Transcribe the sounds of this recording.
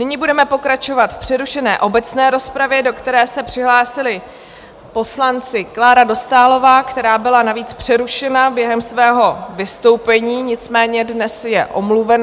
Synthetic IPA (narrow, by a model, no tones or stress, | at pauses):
nɪɲɪbudɛmɛpo̞kɾat͡ʃo̞vat̪fpr̝̥ɛɾuʃɛnɛːʔo̞bɛt͡snɛːɾo̞spɾavjɛdo̞kt̪ɛɾɛːsɛpr̥ɪɦlaːsɪlɪ | po̞slant͡sɪklaːɾado̞st̪aːlo̞vaːkt̪ɛɾaːbɪlanaviːt͡spr̝̥ɛɾuʃɛnabjɛɦɛmsvɛːɦo̞vɪst̪o̞wpɛɲiːɲɪt͡smɛːɲɛdnɛsjɛʔo̞mluvɛn